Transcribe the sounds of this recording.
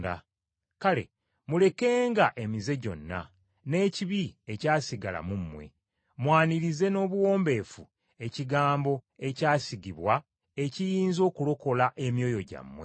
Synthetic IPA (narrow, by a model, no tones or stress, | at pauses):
da | kale̞̰ | mule̞ke̞ːŋɡaʔe̞mize̞ɟo̞̰nːa̰ | ne̞ːciβie̞caːsiɡala̰mumːwe̞̰ | mwaːniɾize̞no̞ːβuwo̞ːmbe̞ːfu | e̞ciɡaːmbo̞e̞caːsiɡiβwa | ecijiːnzo̞ːkulo̞ko̞laʔe̞mjo̞ːjo̞ɟa̰mːwḛ